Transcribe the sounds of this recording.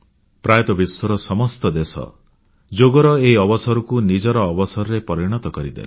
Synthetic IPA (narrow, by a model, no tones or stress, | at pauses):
pɾajɔt̪ɔbiswɔɾɔsɔmɔst̪ɔd̪esɔ̰ | d͡ʒoɡɔɾɔeiɔbɔsɔɾukunid͡ʒɔɾɔːbɔsɔɾɔɾepɔɾiɽ̃ɔt̪ɔkɔɾid̪ḛle